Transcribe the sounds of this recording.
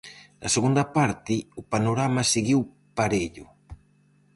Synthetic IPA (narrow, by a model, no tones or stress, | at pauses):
dɐ̰seɣund̪ɐpaɾt̪ɪʊpanoɾamaseɣiw | paɾeʎʊ